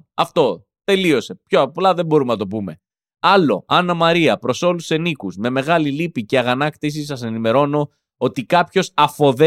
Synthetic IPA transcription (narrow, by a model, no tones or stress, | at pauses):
ɐft̪o̞ | t̪e̞lio̞se̞pçoɐplɐðe̞bo̞ɾumenɐt̪o̞pume̞ | ɐlo̞ɐnɐmɐɾiɐpɾo̞so̞luse̞nikuzme̞me̞ɣɐlilipiceɐɣɐnɐkt̪is̬is̬ɐs̬e̞nime̞ɾo̞no̞ | o̞t̪ikɐpço̞sɐfo̞ðe